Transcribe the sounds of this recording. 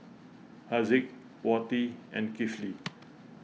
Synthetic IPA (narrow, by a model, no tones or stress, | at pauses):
hazik | wɔtiɛ̰̃nkifli